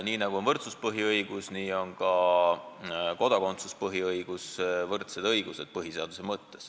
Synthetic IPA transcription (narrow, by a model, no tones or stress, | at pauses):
niːnɑɡ̥uo̞nvɤrt̪suspɤɦiɤjɡ̥usniːo̞nɡɑ | ko̞d̪̥ɑko̞nt̪su̥spɤɦiɤjɡ̥usvɤrt̪se̞d̪ɤjɡ̥use̞d̪̥̚pɤɦise̞ɑd̪̥usemɤt̪ːes